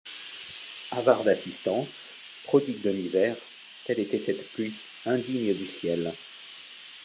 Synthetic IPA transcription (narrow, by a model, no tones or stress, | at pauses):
avaʁd̪asist̪ɑ̃s | pχɔd̪ɥit̪̚d̪ɔnivɛʁ | t̪ɛlet̪ɛsɛt̪plɥi | ɛ̃d̪iɲd̪ysjɛl